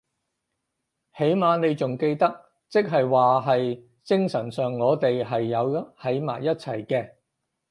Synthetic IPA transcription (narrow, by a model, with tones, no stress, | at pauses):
he˨˥jmaː˨˧ne˨˧jt͡sʊ˨ŋke˧jt̪ɐ˥k̚ | t͡sɪ˥k̚ɦɐ˨jwaː˨ɦɐ˨j | t͡sɪ˥ŋsɐ˨˩nsœː˨ŋːɔː˨˧t̪e˨jɦɐ˨jːɐ˨˧whɐ˨˧˥jma̰ː˨˩jjɐ˥t̚t͡sʰɐ˨˩jkɛː˧